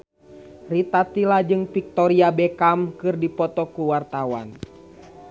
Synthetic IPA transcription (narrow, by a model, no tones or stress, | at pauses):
rit̪at̪ilad͡ʒɨŋfik̚t̪ɔɾiabɛkamkɨrdipɔt̪ɔkuwart̪awa̰n